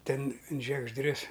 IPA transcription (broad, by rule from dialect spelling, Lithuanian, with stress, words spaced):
ˈtʲɛn ɪn ʒʲiɛɡʒʲˈdʲrʲʊs